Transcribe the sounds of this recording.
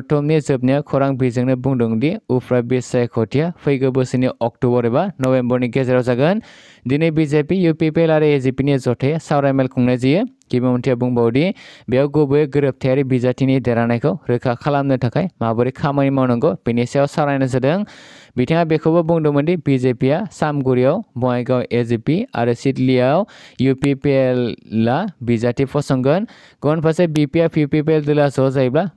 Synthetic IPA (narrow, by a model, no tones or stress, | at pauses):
tɔmnizɯp̚nijakʰɔɾaŋbizɯŋnɯbuŋdɔŋdiupʰɾabisajkʰɔtʰijapʰɯjɡɯbɯsiniʔɔk̚tɔbɔɾibanɔbembɔɾniɡezeɾawzaɡɯn | dinɯbizepijupipelaɾiezipinizɔtʰajsawɾajmelkʰuŋnazijɯɡ̥ibamntʰijabuŋbawdibejawɡobɯjɯɡɯɾɯp̚tʰajaɾibizatinideɾanajkʰawɾɯkʰakʰalamnɯtʰakʰajmabɯɾikʰamanimawnɔŋɡɔpinisijawsawɾajnɯs̬ɯdɯŋbitʰaŋabekʰɯbɯbuŋdɔmɯndibizepijasamɡuɾiawbɔŋajɡawʔezipia̰ɾɯsitlijawjupipelːabizatipʰɔsɔŋɡɯn | ɡɔnpʰasebipiapʰipip̬eldɯlazɔzajbla